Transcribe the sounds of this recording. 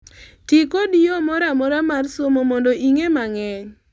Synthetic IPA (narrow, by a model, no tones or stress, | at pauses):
tɪkodiomɔɾamɔɾamarsomɔmɔndɔʔiŋemaŋɛɲ